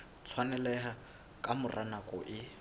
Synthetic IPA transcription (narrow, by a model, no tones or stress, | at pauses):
t͡sʰwanɛlɛɦa | kʼamʊrʔanakʼɔʔɪ